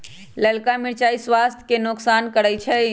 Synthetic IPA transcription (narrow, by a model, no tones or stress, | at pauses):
ləlkamiɾt͡ʃaiswast̪ʰjkenʊksaːnkəɾəjt͡ʃʰɛ